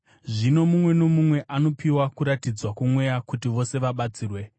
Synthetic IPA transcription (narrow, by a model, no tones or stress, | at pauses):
ʐino̞mumwe̞no̞mumwe̞ʔano̞piwakuɾatid͡zwakumwe̞jakutiʋo̞se̞ʋaɓat͡siːrwe̞